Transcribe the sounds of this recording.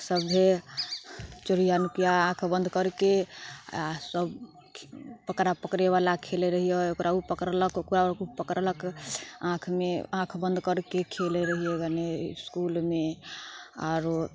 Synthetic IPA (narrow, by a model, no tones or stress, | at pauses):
səbɦe | t͡ʃoɾijanukijaãkʰbənd̪ʱkəɾke | səb | pəkɾapəkɾeβalakʰeleɾəɦiɛokɾaupəkɾələkkuɾakupəkɾələkãkʰmeãkʰbənd̪ʱkəɾkekʰeleɾəɦijɛɡaneskulme | a̰ɾ